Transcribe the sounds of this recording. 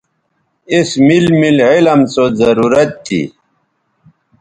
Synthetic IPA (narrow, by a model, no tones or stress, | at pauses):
ismilmilʕilɐmsozɐɾuɾɐt̪̚t̪ːḭ